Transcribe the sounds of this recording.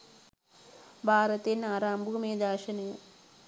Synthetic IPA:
bʱaːɾɐt̪eːnaːɾaːmbʱumeːd̪aːʃɐnɐju

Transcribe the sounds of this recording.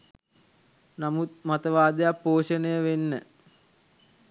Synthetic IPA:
namut̪̚mat̪əʋaːd̪əjapːoːʂənəjəʋenːə

